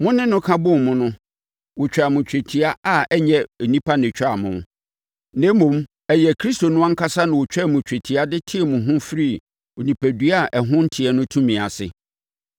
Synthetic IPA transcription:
mʊ̃˦nɪ̃˦nʊ̃˦kʰa˦bʊ̃˦˨m˨mʊ̃˦nʊ̃˦ | wʊ˨t͡ɕᶣa˨mʊ̃˨t͡ɕᶣe˨tʰi˨a˦a˨ɛ˦ɲɛ̃˨e˨nĩ˦pʰa˦nɪ̃˨t͡ɕᶣa˨mʊ̃˨m˦ | nɛ̃˦mũ˨m | ɛ˨jɛ˨kʰɾi˦sto˨nʊ̃˦ã˦ŋ̩˦kʰa˦sa˦nã˨wʊ˨t͡ɕᶣɛ˦˨mʊ̃˨t͡ɕᶣe˨tʰi˨a˦dɪ˦tʰɪ˦ɛ˨mʊ̃˨ɦʊ̃˦fɾi˦˨ | o˨nĩ˨pʰæ˨dɥa˦˨ʔɛ˨ɦʊ̃˦n̩˦tʰi˨ɛ˨nʊ̃˦tʰũ˦mĩ˨a˨sɪ̰˨

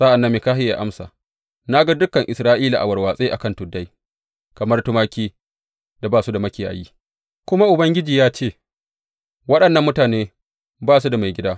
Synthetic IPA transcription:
sa˦ʔa˨nːɐ˦mːeː˨kaː˦hɪ˦ja̰˨ʔa˦msa̰ː˨ | na˦ɡa˦dʊ˦kːɐ˨ŋʔɪ˨sɾaː˦ʔiː˦la˨ʔa˨wɐ˨rwaː˨sʼeː˦ʔa̰˨kɐ˦ntʊ˨dːa˦j | kɐ˨mɐ˦rtʊ˦maː˦kʲiː˦ | d̥a˨baː˦˨su˦da˨mɐ˦kʲeː˨ʔa̰˨jiː˦ | kʷʊ˦ma˦ʔʊ˨bɐ˦ŋɡʲɪ˦d͡ʒiː˨jaː˦t͡ʃeː˦˨ | wɐ˦ɗɐ˨nːɐ˦mːʊ˦taː˨neː˦ | baː˦s̬u˦da˨ma˨jɡʲɪ˦daː˦

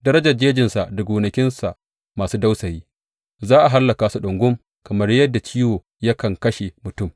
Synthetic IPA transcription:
dɐ˦ɾɐ˦d͡ʒɐ˨rd͡ʒeː˦d͡ʒɪ˨nsa˨ʔdɐ˨ɡʷuː˨nɐ˨kʲɪ˦nsa˨ʔ | maː˨suː˦da˦wsɐ˨jiː˦ | zaː˦ʔa˨ɦa˦lːɐ˨kaː˨su˨ɗʊ˨ŋɡʷʊ˦m | kɐ˨mɐ˦rjɐ˦dːa˨t͡ʃiː˦woː˨ | jɐ˦kɐ˨ŋkɐ˦ʃe˨mʊ˨tʊ˦˨m

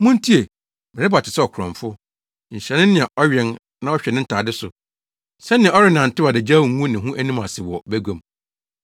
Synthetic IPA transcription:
mũ˦ntʰi˦e˨ | mɪ̃˨ɾɪ˦ba˨tʰɪ˨sɛ˦ɔ˨kʰʊ˨ɾɔ̰̃˨ɱfʊ˦ | ɲ̩˨ɕɛ˨nɪ̃˦nɪ̃˨ɛ˨ʔɔ˦ɥɛ˦n | nã˦ɔ˦ɕᶣɛ˨nɪ̃˦n̩˦tʰaː˨dɪ˦sʊ˨ | sɛ˦nɪ̃˨ɛ̃˨ɔ˦ɾɪ˦nã˨n̩˨tɪ˦wa˨dɪ˨d͡ʑa˦ũ˨˦ũ˦nɪ̃˨ɦũ˦ʔæ˦nĩ˦ma˨sɪ˨wɔ˨bæ˦ɡõ˨m

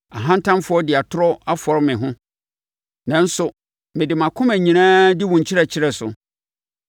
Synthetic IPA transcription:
a˨ɦã˦n̩˦tʰã˦mfʊ˨˦ɔ˦dɪ˨a˨tʰʊ˦ɾɔ˦a˦fɔ˨ɾɪ˦mɪ̃˨ɦʊ̃˦ | nã˨n̩˦sʊ˨ | mɪ̃˨dɪ˨mã˨kʰʊ̃˦mæ˨ɲĩ˨nãː˦dɪ˦wʊ̃˨ɲ˨t͡ɕʰɪ˦ɾɛ˨t͡ɕʰɪ˦ɾɛ˨sʊ̰˨

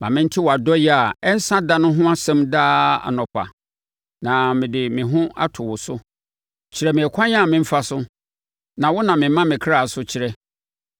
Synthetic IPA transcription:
mã˨mɪ̃˦n̩˦tʰɪ˦wɔ˨a˨dɔ˦jɛ˦a˨ɛ˦n̩˦sã˦da˦nʊ̃˦ɦʊ̃˦a˦sɛ̃˦mdaː˦a̰˨nɔ̃˨pʰa̰˨ | nã˨mɪ̃˨dɪ˨mɪ̃˨ɦʊ̃˦a̰˦tʰʊ˨wʊ˨sʊ˦ | t͡ɕʰɪ˨ɾɛ˨mɪ̃˨ɛ˨kʷʰã˦ɲ˦ã˦˨mɪ̃˦m̩˦fa˦sʊ˦ | nã˨wɔ˦nã˨mɪ̃˨˦mã˦mɪ̃˨kʰɾa˦˨sʊ˦t͡ɕʰɪ˨ɾɛ˦

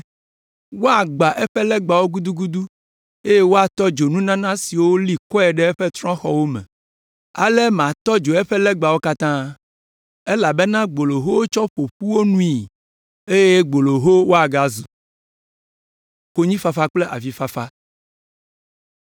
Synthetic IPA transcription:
wo˦a˨ɡ͡ba˨ʔe˦ɸe˦lɛ˦ɡ͡ba˨wo˦ɡu˦d̪u˦ɡu˦d̪u˦ | e˦je˦wo˦a˨t̪ɔ˦d͡ʒo˨nũ˦nã˦nã˦si˨wo˦li˦kɔ˦ɛ˨ɖɛ˦ɛ˦ɸe˦t̪ɾɔ̃˦xɔ̰˦wo˦mɛ̰̃˨ | a̰˨le˦mã˨t̪ɔ˦d͡ʒo˨ɛ˦ɸɛ˦lɛ˦ɡ͡ba˨wo˦ka˦t̪ã˦ | e˦la˨be˦nã˦ɡ͡bo˨lo˨ɦo˦wo˦t͡ʃɔ˦ɸo˨ɸu˦wo˦nũ˦i˨ | e˦je˦ɡ͡bo˨lo˨ɦo˦wo˦a˨ɡa˨zu˨ | ko˦ɲĩ˦fa˦fa˦k͡ple˦ʔa̰˨vi˨fa˦fa˦

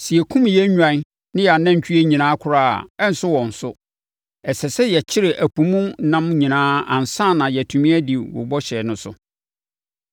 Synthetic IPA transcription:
si˨e˨kʰũ˦mjɛ˦ɲᶣã˨˦ | nɪ̃˦ja˨nã˦˨t͡ɕʰᶣy˦e˦ɲĩ˨nãː˦kʰʊ˨ɾa̰ː˦˨ɛ˦n̩˦sʊ˦wɔ̃˨n̩˨sʊ˦ | ɛ˨sɛ˨sɛ˦jɛ˨t͡ɕʰɪ˦ɾe˨ʔæ˨pũ˨mũ˦nã˦mɲĩ˨nãː˦ã̰˨n˨sã˦˨nã˨jɛ˨tʰũ˨mĩ˦æ˦di˨wʊ̰˨bɔ˦ɕɛ˨nʊ̃˦sʊ̰˨

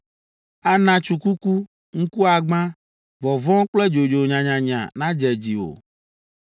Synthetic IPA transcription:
a˨nã˨t͡ʃu˨ku˦ku˦ | ŋ̩˦ku˦a˨ɡ͡bã˦ | vɔ˨vɔ̃˦k͡plɛ˦d͡ʒo˨d͡ʒo˨ɲã˨ɲã˨ɲã̰˨nã˦d͡ʒɛ˨d͡ʑi˨wo̰˨

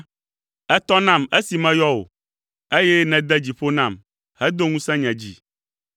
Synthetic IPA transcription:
ɛ˦t̪ɔ˦nã˦˨me˦si˨mɛ̃˦jɔ˦wo̰˨ | e˦jɛ˦nɛ̃˨d̪ɛ˦d͡ʑi˨ɸo˦nã˦˨m | hɛ˦d̪o˦ŋũ˦sɛ̃˦ɲɛ̃˨d͡ʑḭ˨

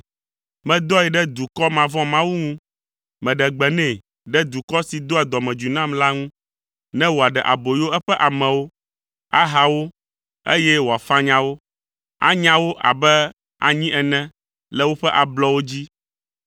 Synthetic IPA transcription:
mɛ̃˨d̪ɔ˦ɛ˨ɖɛ˦d̪u˨kɔ˦mã˨vɔ̃˦mã˦wu˦ŋũ˦ | mɛ̃˨ɖɛ˨ɡ͡bɛ˨nɛ̃˦˨ | ɖɛ˦d̪u˨kɔ˦si˨d̪o˦ɛ˨d̪ɔ˨mɛ̃˨d͡ʒu˨nã˦mla˦ŋũ˦ | nɛ̃˦wo˨a˨ɖɛ˨ʔa˨bo˨jo˦ɛ˦ɸɛ˦ʔa˨mɛ̃˨wo˦ | a˦ɦa˨wo˦ | ḛ˦jɛ˦wo˨a˨fã˦ɲã˦wo˦ | a̰˦ɲã˦wo˦ʔa̰˨bɛ˦ | a̰˨ɲĩ˦ʔɛ˨nɛ̃˦ | lɛ˦wo˦ɸɛ˦ʔa˨blɔ˦wo˦d͡ʑi˦

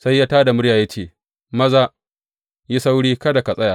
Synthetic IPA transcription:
sa˦jːaː˦taː˦da˨mʊ˦ɽjaː˨ja˦t͡ʃeː˦˨ | mɐ˦zaː˦ | ji˦sa˦wɽiː˦kɐ˦da˨kɐ˨sʼɐ˦jaː˨

